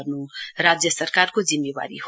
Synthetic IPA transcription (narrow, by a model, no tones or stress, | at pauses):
rnũɾad͡zjəsəɾkaɾkod͡zimːeba̰ɾḭɦ